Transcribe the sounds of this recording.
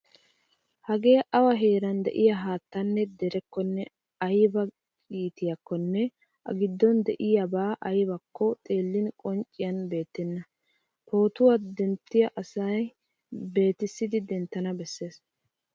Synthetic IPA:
hɐɡe̞ːʔɐwɐɦeːɾɐnd̪ɛ̰ʔɪjɐɦaːt̪ːɐnːɛd̪ɛɾɛkːɔnːɛ | ɐjbɐ | kʼiːt̪ɪjɐkːɔnːɛ | ʔɐ̰ɡɪd̪ːɔnd̪ɛʔɪjɐbaːʔɐjbɐkːɔt̪ʼe̞ːlːɪnkʼɔnt͡ʃʼːɪjɐnbe̞ːt̪ːɛnːɐ | po̞ːt̪ʊwɐd̪ɛnt̪ːɪjɐʔɐsɐj | be̞ːt̪ɪsːɪd̪ɪd̪ɛnt̪ːɐnɐbɛsːe̞ːs

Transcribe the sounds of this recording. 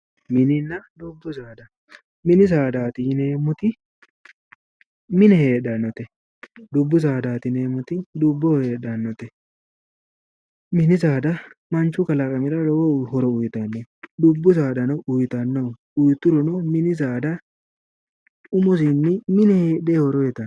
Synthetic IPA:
mɪnɪnːɐd̪ʊbːʊzaːd̪ɐ | mɪnɪzaːd̪aːt̪ɪneːmʊt̪ɪ | mɪnɛheːɗɐnːɔt̪ɛ | d̪ʊbːʊzaːd̪aːt̪ɪneːmʊt̪ɪd̪ʊbːɔhe̞ːɗɐnːɔt̪ɛ | mɪnɪzaːd̪ɐmɐnt͡ʃːʊkɐlɐkʼɐmɪɾɐɾɔwɔhɔɾɔʊjt̪ɐnːɛd̪ʊbːʊzaːd̪ɐnɔʔʊjt̪ɐnːɐ | ʊjt̪ːʊɾɔnɔmɪnɪzaːd̪ɐ | ʊmɔzɪnːɪmɪnɛheːɗeːhɔɾɔjɛt̪ːɐn

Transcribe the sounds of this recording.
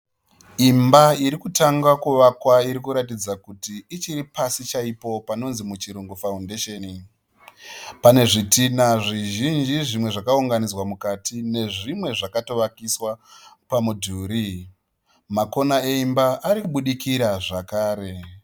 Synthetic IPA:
imbaiɾikutaŋɡakuʋakwaiɾikuɾatid͡zakutiːt͡ʃiɾipasit͡ʃaipo̞pano̞nzimut͡ʃiɾuŋɡufaundeʃeːni | pane̞ʐitinaʐiʒind͡ʒiʐimwe̞ʐakauŋɡanid͡zwamukatʰine̞ʐimwe̞ʐakato̞ʋakiswa | pamudʱuːɾi | mako̞nae̞imbaʔːɾikuɓuɗikiɾaʐakaːɾe̞

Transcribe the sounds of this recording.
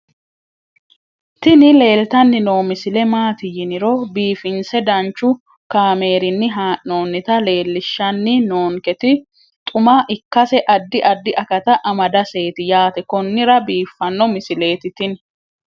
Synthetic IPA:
t̪ɪnɪle̞ːlt̪ɐnːɪnoːmɪsɪlɛmaːt̪ɪjɪnɪɾɔbiːfɪnsɛd̪ɐnt͡ʃːʊ | kaːme̞ːɾɪnːɪɦaːʔnoːnːɪt̪ɐle̞ːlːɪʃːɐnːɪnoːŋkɛt̪ɪ | t̪ʼʊmaʔɪkːɐsɛʔɐd̪ːɪʔɐd̪ːɪʔɐkɐt̪ɐʔɐmɐd̪ɐse̞ːt̪ɪjaːt̪ɛkɔnːɪɾɐbiːfːɐnːɔmɪsɪle̞ːt̪ɪt̪ɪn

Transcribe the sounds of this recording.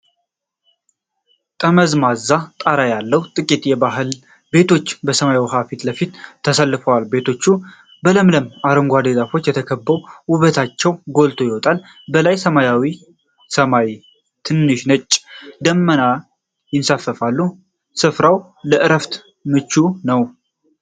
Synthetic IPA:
t̪ʼəməzmazːat̪ʼaɾajalːəht̪ʼɨkʼit̪jɛbaɦɨl | be̞t̪ʰo̞t͡ʃːbəsəmajawiɦafit̪ləfit̪ʰːəsəlːɨfəwalbe̞t̪ʰo̞t͡ʃːu | bələmləmaɾəŋɡʷad̪ezafo̞t͡ʃːjɛt̪ʰəkʰəbːəwʊβət̪ʰat͡ʃːɛwɡo̞lt̪ʰo̞jɪwɔt̪ʼal | bəlajsəmajawi | səmaj | t̪ʰɨnːɨʃnət͡ʃʼːd̪əmːəna | jɪnsafəfalːu | sɨfɾaw | ləʔɨɾəft̪ | mɨt͡ʃːunəw

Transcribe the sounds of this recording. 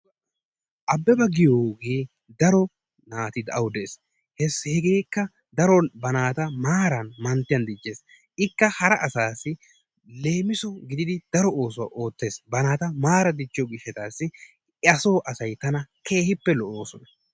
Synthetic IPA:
ʔɐbːɛbɐɡɪjoːɡeː | d̪ɐɾɔ | naːt̪ɪd̪ɐwd̪es | hɛshɛɡe̞ːkːɐ | d̪ɐɾɔbɐnaːt̪ɐmaːɾɐnmɐnt̪ːɪjɐnd̪ɪd͡ʒːe̞ːs | ʔɪkːɐhɐɾɐʔɐsaːsːɪ | le̞ːmɪsɔɡɪd̪ɪd̪ɪd̪̥ɐɾɔo̞ːsɔwɐ̰ʔo̞ːt̪ːe̞ːsbɐnaːt̪ɐmaːɾɐd̪ɪt͡ʃːɪjɔɡɪʃːɛt̪aːsːɪ | ɐso̞ːʔɐsɐjt̪ɐnɐkʰe̞ːhɪpːɛlɔʔo̞ːsɔnɐ

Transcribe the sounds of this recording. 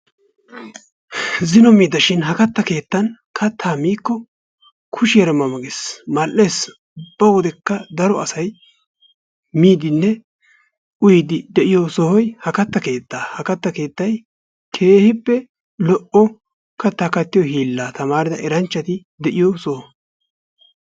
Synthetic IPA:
zɪnɔmiːd̪ɐʃɪnɦɐkɐt̪ːɐke̞ːt̪ːɐn | kʰɐt̪ʰːaːmiːkːɔ | kʰʊʃɪjɛɾɛmɐmɐɡɪsmɐlʔe̞ːs | ʊb̥ːɐwɔd̪ɛkːɐd̪ɐɾɔɐsɐj | miːd̪ɪnːɛ | ʔʊjd̪ɪd̪ɛʔɪjɔsɔhɔjhɐkɐt̪ːɐke̞ːt̪ːaːhɐkɐt̪ːɐke̞ːt̪ːɐj | kʰe̞ːhɪpːɛ | lɔʔɔ | kɐt̪ːakɐt̪ːɪjɔhiːlːaːt̪ɐmaːɾɪd̪ɐʔɛɾɐnt͡ʃːɐt̪ɪ | d̪ɛʔɪjɔsɔhɔ

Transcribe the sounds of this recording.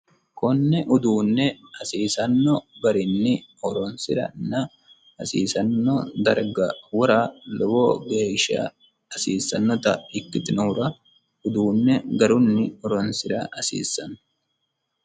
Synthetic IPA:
kɔnːɛʔʊd̪uːnːɛɐsiːsɐnːɔɡɐɾɪnːɪɔɾɔnsɪɾɐ̰nːɐ | ɐsḭːsɐnːɔd̪ɐ̰ɾɡɐwɔɾaːlɔwoːɡeːʃːɐ̰ | ɐsiːsːɐnːɔt̪ɐɪkːɪt̪ɪnuːɾɐ | ʊd̪uːnːɛɡɐɾʊnːɪɔɾɔnsɪɾɐʔɐsḭːsːɐnː

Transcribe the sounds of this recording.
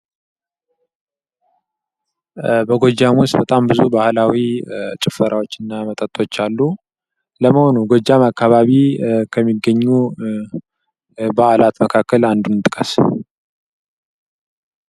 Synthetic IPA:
bəɡo̞d͡ʒamwʊst̪bət̪ʼambɨzubahlawit͡ʃʼɪfəɾʔawot͡ʃːɨnːamət̪ʼət̪ʼːo̞t͡ʃːalːu | ləməho̞nuɡod͡ʒːamakːaβaβikʰəmːiɡːəɲːu | bəʔalat̪məkʰakːəland̪unɨt̪ʼɨkʼəs

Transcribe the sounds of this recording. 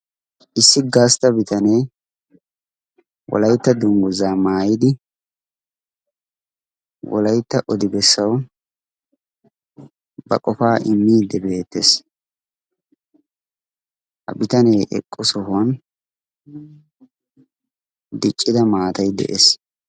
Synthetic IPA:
ʔɪsːɪɡast̪ɐbɪt̪ɐne̞ː | wʔɔ̰lɐjt̪ːɐd̪ʊŋɡʊzaːmaːjɪd̪ɪ | wɔ̰lɐjt̪ːɐʔɔd̪ɪbɛsːɐw | bɐ̰kʼɔfaːʔɪmːiːd̪ːɛbe̞ːt̪ːes | hɐ̰bɪt̪ɐneːʔɛ̰kʼːʊsɔhʊɐn | d̪ɪt͡ʃʼːɪd̪ɐmaːt̪ɐjd̪ɛ̰ʔes

